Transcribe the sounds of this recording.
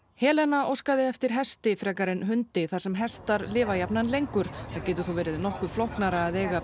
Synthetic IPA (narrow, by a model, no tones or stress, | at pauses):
hɛːlɛnaʔowskaðɪɛft̪ɪɾ̥ɦɛst̪ɪfɾɛːkaɾɪnɦʏnt̪ɪθaɾ̥sɛmɦɛst̪aɾlɪːvajapnanlejŋkʏɾ̥θaðcɛːt̪ʏɾ̥θuvɛːɾɪðnɔhkʏɾ̥flɔhknaɾaːðeːjɣa